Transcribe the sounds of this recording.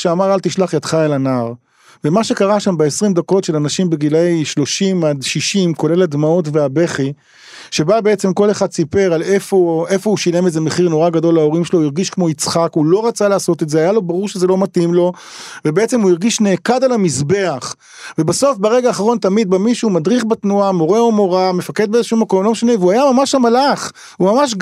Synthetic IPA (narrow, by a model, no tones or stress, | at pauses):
ʃeamaʁalt̪iʃlaχjatχaelanaʁ | vemaʃe̞kaʁaʃambeesʁimd̪ako̞tʃelanaʃimbeɡilejʃlo̞ʃimad̪ʃiʃimko̞le̞lad̪mao̞tveabe̞χi | ʃe̞babe̞et͡se̞mko̞leχad̪sipe̞ʁalefoe̞fo̞uʃile̞meze̞meχiʁno̞ʁaɡado̞lao̞ʁimʃelojiʁɡiʃkmo̞it͡sχakulo̞ʁat͡salaaːso̞t̪etzeajalo̞baʁuʁʃe̞ze̞lo̞matimlo̞ | vebeet͡se̞mhuiʁɡiʃne̞ːkad̪alamizbe̞aχ | vebaso̞fbeʁe̞ɡaːχaʁo̞nt̪amid̪̚bamiʃuːmad̪ʁiχbat̪nuamo̞ʁeomo̞ʁamefaked̪beezeʃumako̞mlo̞meʃane̞veuajamamaʃamalaχ | humamaʃ̬